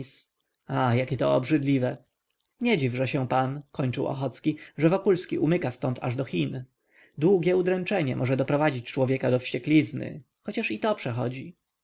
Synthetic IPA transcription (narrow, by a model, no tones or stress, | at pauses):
s | ajakʲɛt̪ɔɔbʐɘd̪lʲivɛ | ɲɛd͡ʑivʐɛɕɛ̃pankɔɲt͡ʂɘwɔ̰xɔt̪skʲiʐɛvɔkulskʲiʔumɘkast̪ɔnt̪a̰ʐd̪ɔxʲin | d̪wuɡʲɛud̪ɾɛnt͡ʂɛɲɛmʔɔʐɛd̪ɔpɾɔvad͡ʑit͡ɕt͡ʂwɔvʲjɛkad̪ɔfɕt͡ɕɛklʲiznɘ̰ | xɔt͡ɕaʂit̪ɔpʂɛxɔd͡ʑi